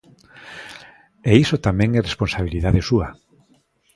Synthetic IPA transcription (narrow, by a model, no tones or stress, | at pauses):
eisot̪amɛ̃ŋɛresponsaβ̞iliðaðesuɐ